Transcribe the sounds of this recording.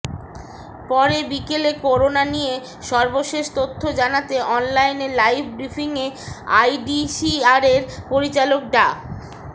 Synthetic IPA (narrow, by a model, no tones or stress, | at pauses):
pɔɾebikelekoɾonanije | ʃɔɾboʃeʃt̪ot̪ʰːod͡ʑanat̪eʔɔnlajnelajpbɾifʰiŋea̰jɖisiaɾeɾpoɾit͡ɕalok̚ɖa